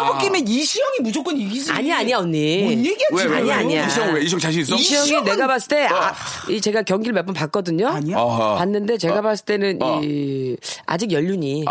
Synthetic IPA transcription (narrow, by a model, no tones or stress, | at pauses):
bok͈emeniɕʰijʌŋimud͡ʑok͈ɯniɡia̰ɲiaɲiaoɲːiɲiɡeea̰ɲiaɲiaiweiijʌŋt͡ɕaɕʰiis͈iɕʰijjʌŋine̞ɡabas͈ɯ̥t͈e̞ait͡ɕe̞ɡakjʌŋɡiɭmep͈ɯmpak͈ʌdɯɲoɲpanːɯnde̞t͡ɕe̞ɡabas͈ɯ̥t͈e̞nɯnʔi | a̰d͡ʑiɡjʌʎːuɲi